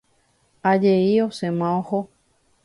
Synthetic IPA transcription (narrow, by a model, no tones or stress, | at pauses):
ad͡ʒeiosẽmãoho